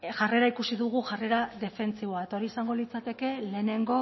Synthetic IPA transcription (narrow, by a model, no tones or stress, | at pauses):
ʝare̞ɾaikusiðuɣ̞uʝare̞ɾaðe̞fe̞nt͡siβo̞ae̞t̪aoɾiesaŋɡo̞lit͡sat̪e̞ke̞le̞ːne̞ŋɡo̞